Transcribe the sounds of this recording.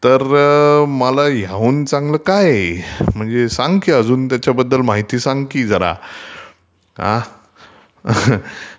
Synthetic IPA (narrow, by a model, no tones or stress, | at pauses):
t̪əɾməlajauːnt͡sãŋɡləːkajm̤əɳd͡zesãŋɡkiəd͡zuːnt̪jat͡ɕjabəd̪ːəlmaɦit̪iːsãŋɡkiːd͡zʱəɾa̰ | ã̰